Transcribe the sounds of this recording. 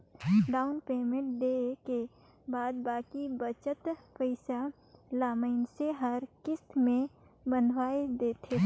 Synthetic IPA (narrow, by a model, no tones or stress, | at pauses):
ɖaːʊnpeːmẽɳʈ̚ɖeːke | baːd̪̚baːkibət͡ʃət̪pəɪsa | laːməɪnseɦəɾkɪst̪mẽbənʋaːed̪eːt̪ʰe